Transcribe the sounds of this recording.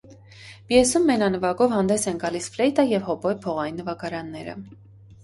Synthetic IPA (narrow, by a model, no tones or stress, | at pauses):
bjɛsumːɛnɑnəvɑɡɔvhɑnd̪ɛsɛnɡɑlisflɛjt̪ɑjɛvhɔbɔjpʰɔʁɑjinːəvɑkɑɾɑnːɛɾə̰